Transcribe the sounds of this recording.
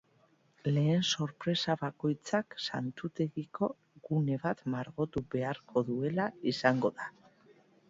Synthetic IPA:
le̞ːnso̞ɾpɾe̞saβako̞jt͡saksant̪ut̪e̞ɣiko̞ | ɣune̞βat̪maɾɣo̞t̪uβe̞aɾkʰo̞ðue̞laisaŋɡo̞ða

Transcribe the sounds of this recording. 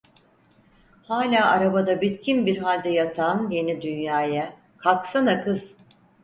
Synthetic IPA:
haːlʲaːʔaɾabad̪abit̪cʰinbiɾɦalʲd̪ɛjat̪ʰanje̞nid̪ynjaːjɛ | kʰaksanakʰɯz̥

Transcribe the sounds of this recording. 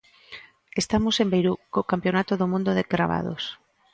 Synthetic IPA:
est̪amosembejɾukokampjonat̪oðomũnd̪oðeɡɾa̰βa̰ðo̰s

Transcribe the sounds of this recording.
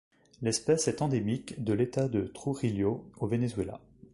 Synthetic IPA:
lɛspɛsɛt̪ɑ̃d̪emikd̪əlet̪ad̪ət̪χuʁiljoovenezɥela̰

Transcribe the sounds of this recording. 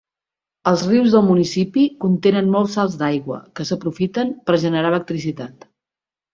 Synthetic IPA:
əlˠzriwzðəlˠmunisipikunt̪enənmɔlˠsalˠzd̪ajɣwə̰kəsəpɾufit̪əmpəɾʒənəɾalək̚t̪ɾis̬it̪at̪

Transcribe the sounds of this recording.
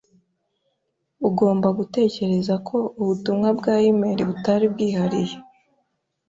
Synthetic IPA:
uɡo̞ːmbaɡute̞ːce̞ɾe̞zakʰo̞uβutumŋabɡaːjimeɾiβutaɾibɡiːhaɾije

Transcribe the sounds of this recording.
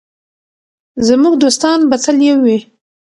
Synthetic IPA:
zəmuɡd̪ost̪ɑnbat͡saljewi

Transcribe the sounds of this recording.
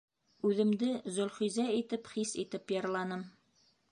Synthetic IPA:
ʉðɘ̆md̪ɘzɵ̆lχujzæit̪ɘpχisit̪ɘpjɤ̆ɾlˠɑnɤm

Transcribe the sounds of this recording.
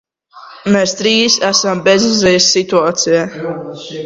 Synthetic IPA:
mɛst̪ɾiːsæsambɛzizɛjsʲːit̪uaːt̪sijaː

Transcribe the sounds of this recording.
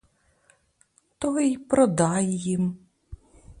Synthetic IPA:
t̪ɔʋɪjpɾɔd̪ɑjjim

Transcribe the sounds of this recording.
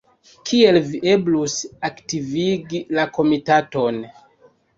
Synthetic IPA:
kʰie̞lviʔe̞blusaktiviɡilako̞mitato̞n

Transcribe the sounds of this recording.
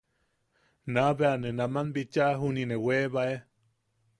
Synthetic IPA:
naβeanenamanbit͡ʃaɦunineweβae

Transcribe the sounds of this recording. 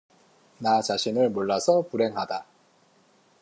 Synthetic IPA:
nat͡ɕaɕʰinɯɭmoɭːasʰʌpuɾe̞ŋɦada

